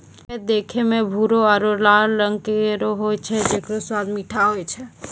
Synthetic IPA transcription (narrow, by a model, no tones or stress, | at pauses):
ed̪ekʰemebʱuɾoaɾolaɾɾəŋɡkeɾoɦojt͡ʃʰɛd͡ʒekɾoswad̪miʈʰaɦojt͡ʃʰɛ